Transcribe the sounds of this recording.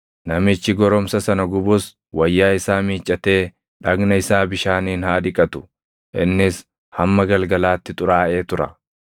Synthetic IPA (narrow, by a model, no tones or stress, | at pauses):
nɐmɪt͡ʃːɪɡɔɾɔmsɐsɐnɐɡʊbʊs | wɐjːaːɪsaːmiːt͡ʃʼːɐt̪e̞ː | ᶑɐɡnɐɪsaːbɪʃaːniːnhaːd̪ɪkʼɐt̪ʊ̥ | ʔɪnːɪs | hɐmːɐɡɐlɡɐlaːt̪ːɪt̪ʼʊɾaːʔe̞ːt̪ʊɾɐ̰